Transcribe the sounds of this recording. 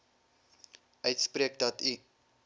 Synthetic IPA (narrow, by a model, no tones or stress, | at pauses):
ʔœɥtspriək̚dɐti